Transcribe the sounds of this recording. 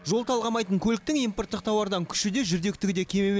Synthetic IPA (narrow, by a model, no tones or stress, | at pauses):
ʒo̞lˠt̪ʰɑlˠʁɑmɑjt̪əɴkʲʰɵlɪk̚t̪ɪŋijmpo̞rt̪ːəq̚t̪ʰɑwɑɾd̪ɑŋkʲʰʏ̥ʃɪd̪e̞ʒʏɾd̪e̞k̚t̪ɪɡʲɪd̪e̞kʲʰe̞mem